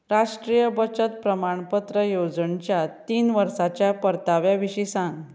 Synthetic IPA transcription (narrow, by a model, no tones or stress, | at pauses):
ɾaʂʈɾijəbət͡ɕət̪pɾəmaɳpət̪ɾəjod͡zəɳt͡ɕjat̪iːnʋəɾsat͡ɕjapəɾt̪aʋjaʋiɕisãŋɡ